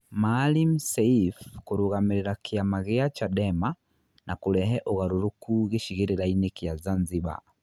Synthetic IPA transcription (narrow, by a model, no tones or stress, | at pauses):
malim̩sɛifkuɾuɣamiɾiɾakʰijamaɣɛat͡ʃadɛma | nʔakulɛɦɛʔuɣaɾuɾukʰuɣiʃiɣiɾiɾainikijazanziba̰